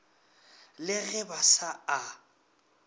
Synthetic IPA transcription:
lɪɣɛbasaa

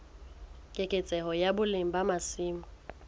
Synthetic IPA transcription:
kʼɪkʼɪt͡sʼɛhɔjabʊlem̩bamasiːmʊ

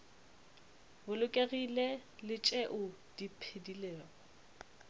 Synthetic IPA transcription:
bʊlʊkʼeɣilelɪt͡ʃʼɛʔʊ | d̥ipʰedileːɔ

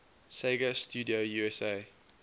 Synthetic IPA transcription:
seɡəstʰjuːdiojuɛseɪ

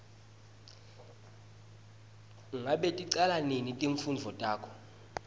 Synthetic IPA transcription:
ŋʱaɓetʼiǀalanenitʼeɱfund͡ɮʱɔtʼaːkʰɔ̥

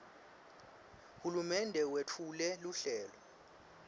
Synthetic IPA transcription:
hulumɛndʱɛwetʰulɛluɬɛːlɔ

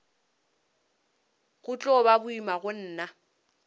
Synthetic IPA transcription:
ɣʊt͡ɬʼɔbabʊimaɣʊn̩ːna

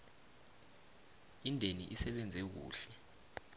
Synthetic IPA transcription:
indʱeniʔisɛɓɛnd͡zʱɛk̬ṵːɬɛ

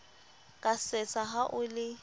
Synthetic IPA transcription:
kʼasɪt͡sʼaɦaʔʊlɪ

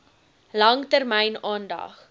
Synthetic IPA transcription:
lɐŋtərmɛjnɑːndɐ̰χ

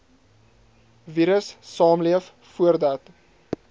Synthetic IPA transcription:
viɾəsːɑːmliəf | fuərdɐt

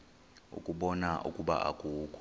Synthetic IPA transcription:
ṵkʼuɓɔnaʔṵkʼuɓa̰ʔa̰kʼuːkʰʼ

